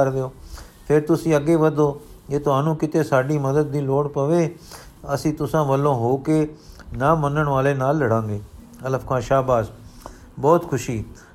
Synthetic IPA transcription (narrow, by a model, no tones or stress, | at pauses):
əɾd̪eoː | pʰɪɾt̪ʊsĩːəɡeːʋəd̪oː | d͡ʒeːt̪ʊaːnũːkɪt̪eːsaːɖiːməd̪əd̪̚ːiːloːɽpəʋeː | əsĩːt̪ʊsãːʋəlːõːɦoːkeːnaːmənəɳʋaːleːnaːlːəɽãːŋɡeː | ələfʰkʰãːʃaːbaːs | bɔːt̪kʰʊʃiː